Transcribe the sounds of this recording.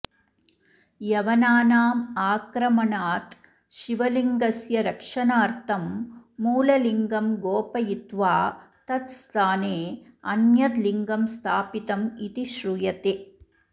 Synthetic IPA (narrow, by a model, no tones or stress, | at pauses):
jɐʋɐnaːnaːmaːkɾɐmɐnaːt̪ | ʃiʋɐliŋɡɐsjɐɾɐkʂɐnaːɾt̪ʰɐmːuːlɐliŋɡɐmɡoːpɐjit̪ʋaːt̪ɐt̪st̪ʰaːneːɐnjɐt̪liŋɡɐmst̪ʰaːpit̪ɐmit̪iʃɾujɐt̪e